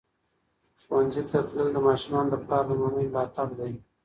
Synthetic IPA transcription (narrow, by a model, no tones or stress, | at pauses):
xwanzit̪at̪ləld̪əmɑʃumɑnd̪əpɾɑɾd̪əmɑməjlɑt̪ɑb̚d̪aj